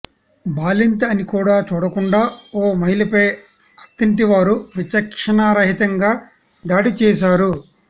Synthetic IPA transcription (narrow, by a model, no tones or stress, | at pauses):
baːlint̪ɐnikuːɽaːt͡ʃuːɽɐkuɳɖaːoːmɐɦilɐpɐj | ɐt̪ːiɳʈiʋaːɾuʋit͡ʃɐkʂɐnaːɾɐɦit̪ɐŋɡaː | d̪aːɽit͡ʃɛːʃaːɾu